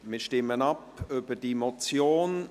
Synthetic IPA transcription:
mɪʃtɪmənɑpøb̥ədimɔt͡sjoːn

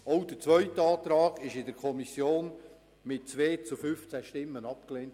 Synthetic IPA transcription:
ɔʊd̥ət͡svœʏtəɑːt̪ɾɑːɡ̥ɪʃɪdəɾkʰɔmisjoːn | mɪtt͡sʋeːt͡sufʏft͡sæʃtɪmːənɑp̚kleːnt

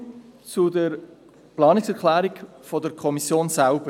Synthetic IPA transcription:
t͡sudəɾ | plɑːnɪksɛɾklæːɾikfɔdəɾkʰɔmisjoːnsælb̥ə

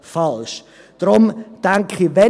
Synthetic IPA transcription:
falʃ | d̥ɾʊmd̥aŋkχivɛ

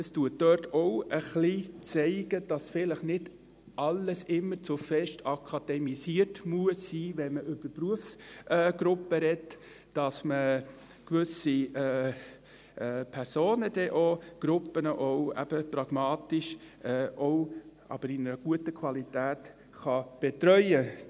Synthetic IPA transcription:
əstuətːœtɔʊəχlit͡sɛɪɡ̥əd̥ɑsfɪləχnɪd | ʔɑlːəsɪmːəɾt͡sʊfɛʃtʰɑkʰɑd̥ɛmisiːəɾtmuəsːiːʋɛnməʔʏbə̥pɾuəfsɛːɡ̥ɾʊpːəɾɛt | d̥ɑsmə | kʋʏsiɛː | ʔːpʰɛɾsoːnəd̥ɛʔoɡ̥ɾʊpːənəʔowæ̰b̥əpɾɑɡ̥mɑːt̪ɪʃɛːʔɔwʔɑ̰b̥əɾɪnəɾəɡ̥uətəkʰvɑlitæːt | χɑb̥ɛtɾœʏə

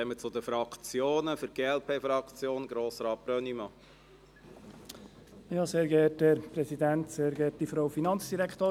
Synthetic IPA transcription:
ɛmət͡sʊd̪əfɾɑkʰt͡sjoːnəfʏɾɡ̥eːɛlpʰeːfɾɑkt͡sjoːnɡ̥ɾoːsɾɑːt̚b̥ɾœnimɑ | jɑːseːɾɡɛːt̚ɛɾpɾɛsidænt̪seːɾɡɛːt̚d̥ifɾowfinɑnsd̥iɾækʰtoː

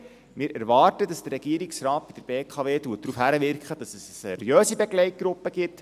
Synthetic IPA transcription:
mɪːɾæɾvɑːrtədɑsd̥əɾɛɡ̥iəɾɪksrɑːt̚b̥id̥əb̥eːkʰɑːʋeːtuətdrufhæɾəʋɪrkχədɑsəsəsḛɾjøːsibeɡlɛɪt̚ɡ̥ɾʊpːəɡ̥ɪt

